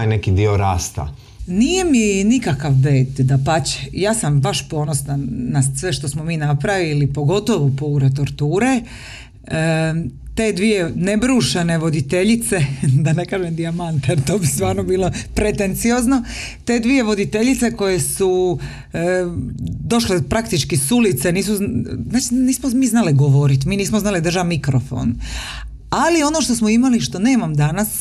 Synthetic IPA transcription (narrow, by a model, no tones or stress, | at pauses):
jnekid̪ioɾaːst̪a̰ | niːjeminikakaʋʋeːd̪d̪apat͡ɕejaːsambaʃpo̞ːno̞snanasʋe̞ʃt̪o̞smomiːnapɾaʋilipo̞ɡo̞t̪o̞ʋopouɾet̪o̞ɾt̪uːɾe | t̪e̞ːd̪ʋijene̞bɾuːʃene̞ʋo̞d̪it̪eʎit̪se̞d̪anekaːʒemd̪iamant̪ejeɾt̪o̞ːbist̪ʋaːɾnobiːlo̞pɾet̪ent̪sijoːzno̞ | t̪e̞ːd̪ʋije̞ʋo̞d̪it̪eʎit̪seko̞jesu | d̪o̞ʃlepɾakt̪it͡ʃkisulit̪seniːs̬uzaːt͡ʃiniːsmomiːznaliɡoʋoɾit̪miːniːsmoznaːlid̪r̩ʒamikɾofo̞̰ːn | alio̞noʃt̪osmoimaliʃt̪o̞ne̞ːmamd̪anas